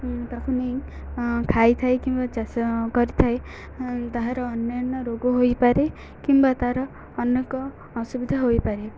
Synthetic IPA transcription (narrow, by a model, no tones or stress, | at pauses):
t̪akʰune | kʰajt̪ʰajkimbat͡ʃaskɔɾit̪ʰae | t̪aɦãɾɔːnjanɔɾoɡoɦojpaɾe | kimbat̪aɦɾɔː | njekɔː | subid̪ʱaɦojpaɾe